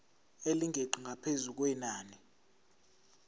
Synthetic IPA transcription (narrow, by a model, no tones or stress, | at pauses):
eliŋʱeǃʱiŋʱapʰezuk̬wɛnaːni